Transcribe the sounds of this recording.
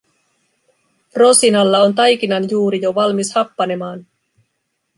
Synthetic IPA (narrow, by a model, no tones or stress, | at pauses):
ro̞sinɑlːɑo̞nt̪ɑjk̟inɑnjuːɾijo̞ʋɑlmishɑpːɑne̞mɑːn